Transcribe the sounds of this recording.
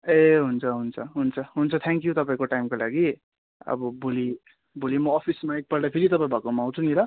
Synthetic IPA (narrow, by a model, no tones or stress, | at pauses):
eɦunt͡sʰʌɦunt͡sʰʌɦunt͡sʰʌɦunt͡sʰʌt̪ʰaŋkjut̪ʌpaĩkoʈajimkolaɡi | ʌ̰bʌbʱoli | bʱolimʌːpʰismaik̚pʌrd̪apʰeɾit̪ʌpaĩbʱʌkomaãw̃t͡sʰunilʌ